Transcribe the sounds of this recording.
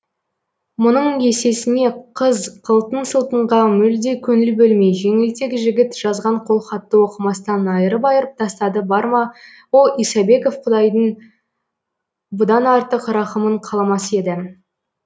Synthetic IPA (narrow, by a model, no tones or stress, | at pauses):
mʊnəɴe̞se̞sɪne̞qʰəzqʰəlˠt̪ənsəlˠt̪əɴʁɑmʏld̪e̞kʲʰɵnɪlbɵlme̞jʒe̞ŋɪlt̪ekʲʒɪɡʲɪt̪ʒ̥ɑzʁɑɴqʰo̞lˠχɑt̪ːəwo̞qəmɑst̪ɑnɑjəɾəp̬ɑjəɾəp̚t̪ʰɑst̪ɑd̪əbɑɾmɑ | wo̞lˠijsɑbe̞kofqʰʊd̪ɑjd̪əɴ | bʊd̪ɑnɑɾt̪əqɾɑχəməɴqʰɑlˠɑmɑse̞d̪ɪ